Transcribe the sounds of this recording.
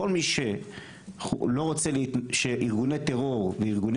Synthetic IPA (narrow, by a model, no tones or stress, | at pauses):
olmiʃe | loʁot͡seleitʃeʔiʁɡunet̪eʁoʁveiʁɡun